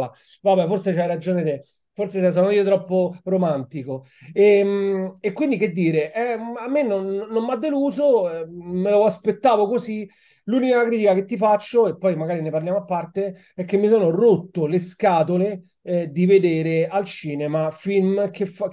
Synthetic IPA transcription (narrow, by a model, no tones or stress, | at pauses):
a | vabɛforset͡ʃajɾad͡ʒoːnet̪e | forsesɛs̬ɔːnoiːot̪ɾɔpːoromant̪iko | emekːwind̪iked̪ːiːɾeʔɛamːenːonːomːad̪ːeluːzoɛmeloaspet̪ːaːvokozi | luːnikakɾit̪ikaket̪ːifat͡ʃːoepːɔjmaɡaːɾinepaɾljaːmoapːart̪e | ɛkːemːisoːnorot̪ːoleskaːt̪ole | ɛd̪ived̪eːɾealt͡ʃiːnemafilmkefa